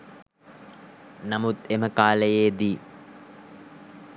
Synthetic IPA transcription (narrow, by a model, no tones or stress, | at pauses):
namut̪eməkaːləjeːd̪iː